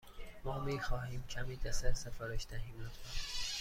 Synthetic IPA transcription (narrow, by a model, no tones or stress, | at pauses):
mɒːmiːxɒːɦiːmcʰæmiːd̪æsæɾsefɒːɾeʃd̪æɦiːmæt̪o